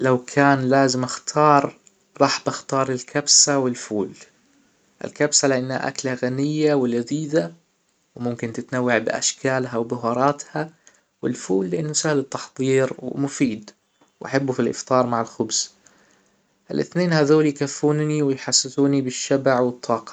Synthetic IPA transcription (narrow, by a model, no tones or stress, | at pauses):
lawkʰaːnlaːzɪmʔaxt̪ʰɑːɾˤ | ɾˤɑːħbaxt̪ɑːɾˤɪlkʰabsawɪlfuːl | ʔɪ̰lkabsalɪʔanːha̰ʔa̰klaɣanɪjːawɪlaðiːða | wmʊmkɪnt̪ɪt̪nawːaʕbɪʔa̰ʃkʰaːlɦawbɪɦɑɾˤɑːt̪ha | wɪ̰lfuːlːɪʔɪnːʊsahlɪt̪ːɑ̥ħðˤiːɾwɪmʊfiːd̪ | wʔa̰ħabːufilʔɪ̰ft̪ˤɑːɾˤmaʕɪlxʊbz̥ | ʔɪlʔɪ̰θneːnhaðoːljkafːuːnniwɪjħasːɪsuːnibɪʃːabaʕwɨt̪ˤːɑːqɑ̥